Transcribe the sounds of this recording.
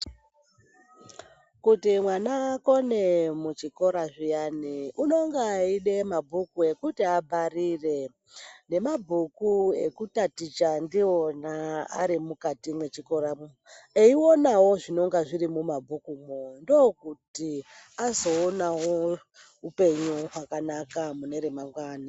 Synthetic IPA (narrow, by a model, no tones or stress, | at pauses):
kutimwanako̞ne̞mut͡ʃiko̞ɾaʐijaniʔuno̞ŋɡaːiɗe̞mabʱukue̞kutiabʱarire̞ | ne̞mabʱukue̞̰kutatit͡ʃandio̞naa̰ɾimukatimwe̞t͡ʃiko̞ɾa | eiwo̞nawo̞ʐino̞ŋɡaʐiɾimumabʱukumondokuti | azo̞ːnawo | upe̞ɲuɦakanakamune̞ɾemaŋɡwaːni